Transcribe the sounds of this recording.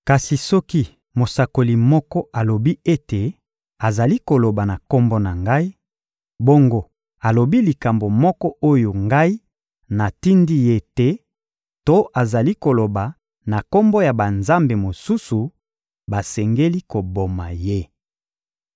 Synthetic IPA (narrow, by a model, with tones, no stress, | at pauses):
ka˨si˨sɔ˦ki˦ | mo˨sa˨ko˨li˨mɔ˦kɔ˦ʔa˨lo˨bi˦e˦te˨ | a˨za˨li˦ko˨lo˨ba˨na˨ko˦mbɔ˦na˨ŋɡa˦i˦ | bo˦ŋɡo˦ | a˨lo˨bi˦li˨ka˨mbo˨mɔ˦kɔ˦ʔo˦jo˨ŋɡa˦i˦ | na˨ti˦ndi˦je˦tɛ˦ | to˦ʔa˨za˨li˦ko˨lo˨ba˨ | na˨ko˦mbo˦ja˨ba˨nza˦mbe˨mo˨su˦su˨ | ba˨sɛ˨ŋɡe˦li˦ko˨bo˨ma˨je˦